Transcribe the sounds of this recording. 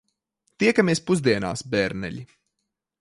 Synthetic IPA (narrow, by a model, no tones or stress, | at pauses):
t̪iɛkameːspuzd̪iɛna̰ːsbɛɾnɛ̰ʎʲi